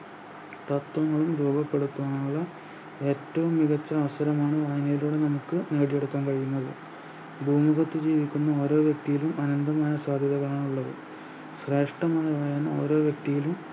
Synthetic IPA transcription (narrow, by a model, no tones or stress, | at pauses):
t̪ɐt̪ːwɐŋːɐɭumɾuːbɐpːe̞ɽut̪ːuʋɐɳuɭːɐ | e̞ːtːɐʋumːiɣɐt͡ɕːɐːʋɐsɐɾɐmaːɳɨʋɐjɐnɐjiluːɽe̞nɐmukːɨne̞ːɽije̞ɽukːaːmkɐɻijunːɐðɨ | bʱuːmiɣɐt̪ːɨd͡ʑiːʋikʲːunːɐo̞ːɾo̞ːʋjɐk̚t̪ijilumɐnɐnd̪ɐmaːjɐsaːd̪ʱjɐðɐɣɐɭaːɳuɭːɐðɨ̰ | ɕre̞ːʂʈɐmaːjɐʋɐjɐno̞̰ːɾo̞ːʋjɐk̚t̪ijilum